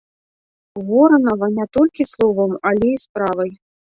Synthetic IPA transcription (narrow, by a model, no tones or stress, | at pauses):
vɔɾɐnɐvɐnʲɛt̪ɔlʲkʲislˠɔvɐmalʲɛispɾavɐj